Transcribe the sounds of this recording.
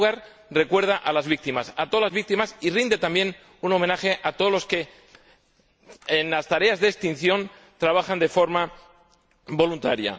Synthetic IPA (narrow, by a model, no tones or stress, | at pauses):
ɣaɾ | re̞kwe̞ɾð̞aʔalazβik̚t̪imasat̪olazβik̚t̪imasirind̪e̞t̪ambje̞n | uno̞me̞naxe̞ʔat̪oðolo̞ske̞ | enlast̪aɾe̞azðest̪in̟θjo̞n | t̪ɾaβ̞axand̪e̞fo̞ɾma | bo̞lunt̪aɾja̰